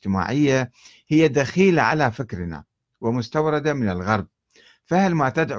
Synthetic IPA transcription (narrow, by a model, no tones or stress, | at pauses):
t̪ɪma̰ːʕɪjːa | hɪjːad̪axiːlaʕa̰lafɪkɾɪna̰ | wɪmʊst̪awɾˤɑd̪amɪnɪlɣɑɾˤb̚ | fahlmat̪ad̪ʕ